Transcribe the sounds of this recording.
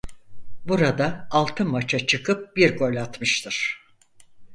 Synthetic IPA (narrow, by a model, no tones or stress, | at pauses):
buɾad̪aːlˠt̪ʰɯmat͡ʃʰat͡ʃʰɯkʰɯp̚biɾɡo̞lʲat̪mɯʃt̪ʰɯɾ̥